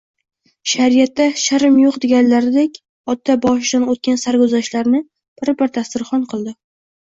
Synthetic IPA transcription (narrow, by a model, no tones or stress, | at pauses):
ʃaɾijat̪ːaʃaɾɪmjoqd̪eɡʲanlaɾɪd̪ekʲ | ɒt̪ʰːabɒʃɪd̪anot̪̚kʲansaɾɡʊzaʃlaɾnɪ | b̥ɪɾbɪɾt̪ʰast̪ɪɾχɒnqʰɨlˠd̪ɪ